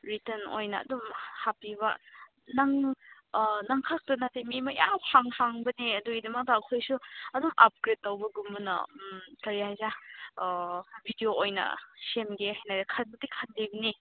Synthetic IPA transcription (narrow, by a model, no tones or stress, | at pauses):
ɾiteno̰jnɐɐ̰dumhapibɐ | naŋ | naŋkʰak̚tɐnatemimɐja̰mhʰaŋhaŋbɐneɐduidɐmɐk̚taɐkʰojsuɐdumʔap̚ɡɾet̚ːɐwbɐɡumbɐnɐ̰mtɐɾihajza | bʱidioojnɐ̰semɡehajnajzakʰan̚bɐdikʰanlibɐni